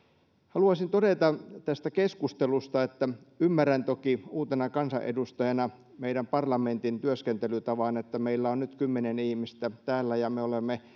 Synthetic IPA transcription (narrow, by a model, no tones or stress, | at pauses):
hɑluɑsint̪odet̪ɑt̪æst̪ækeskust̪elust̪ɑet̪ːæ | ymːærænt̪okiuːt̪enɑkɑnsɑ̰ʔḛdust̪ɑjɑnɑ | meiɾæmpɑrlɑment̪int̪yøskent̪elyt̪ɑʋɑnet̪ːæmeilːæonnyt̪kymːenenihmist̪æt̪æːlːæjɑmeolemːe